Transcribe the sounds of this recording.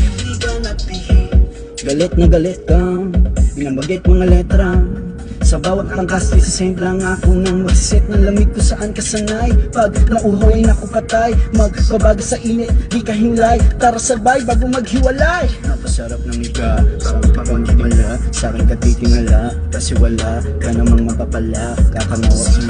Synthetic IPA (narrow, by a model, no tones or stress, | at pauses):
d̪iɡawnɐp̪i | ɡɐlɛt̪̚nɐɡɐlɛt̪̚kɐpɪnɐmbɐɡɛt̪̚mɐŋalɛt̪ɾɐ | sɐbaːwɐt̪̚pɐŋkast̪ɪsɐsɛmplɐŋakonɐŋmɐɡsɛt̪̚nɐŋlɐmɪd̪̚kosɐʔankɐsɐnajpɐɡ̚nɐʔʊɦojnɐkopɐt̪ajmɐɡ̚pɐbaːɡɐsɐʔinɛt̪̚hikɐɦɪnlajpaːɾɐsɐbajbaːɡomɐɡhɪwɐlajnɐpɐsɐɾap̚nɐŋɪɡaɐmɐkont̪ɪd̪nlaʔsakɐnkɐt̪iːt̪ɪŋɐla | kɐsɪwɐlaʔ | kɐnɐmɐŋmɐpapɐlaʔkakɐnawɐk